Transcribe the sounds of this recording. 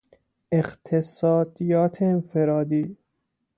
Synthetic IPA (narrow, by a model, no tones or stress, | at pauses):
ʔeqt̪ʰesɒːd̪ijɒːt̪ʰeːnfeɾɒːd̪iː